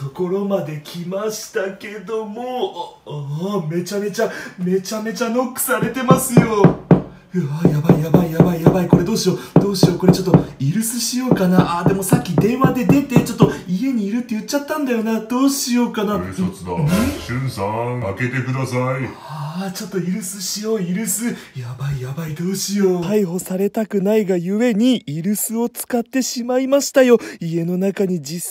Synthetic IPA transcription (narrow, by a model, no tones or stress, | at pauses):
t̪o̞ko̞ɾo̞mad̪e̞kʲʰimaɕi̥t̪ake̞d̪o̞mo̞ | me̞t͡ɕame̞t͡ɕame̞t͡ɕame̞t͡ɕano̞kːɯ̥saɾe̞t̪e̞masɨjo̞ | ɯajabaijabaijabaijabaiko̞ɾe̞d̪o̞ːɕio̞d̪̥o̞ːɕio̞ko̞ɾe̞t͡ɕo̞t̪ːoiɾɯ̟sɨɕijo̞ːkanaʔaːd̪e̞mo̞sakʲːid̪ẽ̞ɰ̃ad̪e̞d̪e̞t̪et͡ɕo̞t̪ːo̞ie̞ɲ̟iːɾɯ̟t̪ːe̞jɯ̟t͡ɕːat̪ːãnd̪ajo̞nad̪o̞ːɕijo̞ːkanasot͡sɨd̪a̰ɕĩnsãake̞t̪e̞kɯd̪asai | at͡ɕo̞t̪ːo̞iɾɯ̟sɨɕijo̞ːiɾɯ̟sɨjabaijabaid̪o̞ːɕijo̞t̪aiɦo̞saɾe̞t̪akɯ̟naiɡajɯ̟e̞ɲ̟iiɾɯ̟sɨo̞t͡sɨ̥kat̪ːe̞ɕimaimaɕi̥t̪ajo̞ie̞no̞nakaɲ̟id͡ʑis